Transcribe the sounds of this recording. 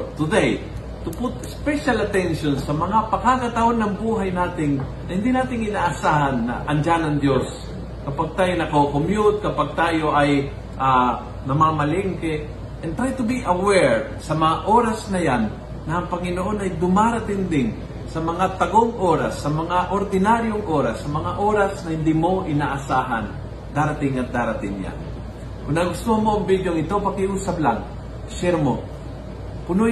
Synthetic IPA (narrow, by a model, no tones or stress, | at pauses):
t̪ʊd̪ej | t̪ʊpʊt̪ɛspɛʃalɐt̪ɛnʃonsɐmɐŋapɐkakɐt̪ɐʔonːɐŋbuːɦajnaːt̪ɪŋ | nɐhɪ̃nd̪inaːt̪ɪŋɪnaːʔːsaːhɐnːɐ̰ʔɐnd͡ʒanɐŋd̪jos | kɐpaɡ̚t̪aːjonɐkokomjʊt̪̚kɐpaɡ̚t̪aːjoʔɐj | ʔa | nɐmamɐlɪŋkɛ | ʔɛnt̪ɾajt̪ʊbiʔɐwɛɹd̪sɐmɐŋaʔoːɾɐsnɐjanː | ɐʔɐŋpɐŋɪnoʔo̞nɐjd̪ʊmaɾɐt̪ɪnd̪ɪŋ | sɐmɐŋat̪ɐɡoŋʔoːɾasːɐmɐŋaʔoɾd̪ɪnaɾjoŋʔoːɾasːɐmɐŋaʔo̞ːɾasnɐhɪnd̪imo̞ʔɪnaːʔɐsaːɦa̰n | d̪aːɾɐt̪ɪŋɐt̪̚d̪aːɾɐt̪ɪŋja̰n | onɐɡʊst̪ohanmo̞ɐŋbid̪joŋɪt̪o̞pɐɡkɪʔuːsɐbla̰ŋ | ʃɛɾmo | pʊno